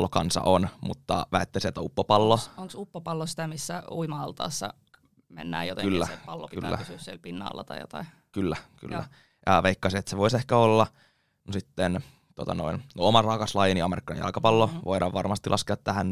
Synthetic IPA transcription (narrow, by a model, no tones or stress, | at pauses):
lːokɑnsɑ̰ʔonmṵt̪ːɑ̰ʋæet̪ːesiet̪æupːopɑlːooŋksupːopɑlːosi̥t̪æmisːæuimɑɑlt̪ɑ̰ːsːɑ̰ | mḛnːæːjot̪ekylːæpɑlːokylːæ̰syssielpinːɑ̰ːlːɑ̰t̪ɑjjo̰t̪ɑi | kylːæky̰lːæ̰ | jɑʋeikːɑsiet̪seʋoisehkæolːɑ | nosit̪ːen | t̪uot̪ɑno̰innoomɑrɑkɑslɑjeniɑmeɾikːɑjɑ̰lkɑpɑlːoʋoiɾɑʋʋɑrmɑst̪ilɑskeɑt̪t̪æhæn